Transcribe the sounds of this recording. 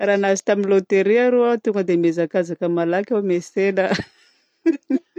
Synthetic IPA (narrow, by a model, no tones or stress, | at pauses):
ranazi̥t̪aminlot̪eɾiaɾoat̪uŋɡəd̪emezakazakəmalakʲamesenə